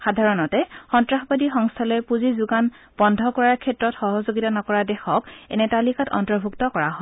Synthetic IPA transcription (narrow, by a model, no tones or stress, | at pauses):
xadʱaɹɔnɔtɛxɔntɹaxbadixɔŋstʰalɔjpuzizuɡan | b̥ɔndʱɔkɔɹaɹkʰɛtɹɔtxɔɦɔzoɡitanɔkɔɹadɛxʰɔkɛ̰nɛtalixatɔ̰ntɔɹbʱuktɔkɔɹaɦɔ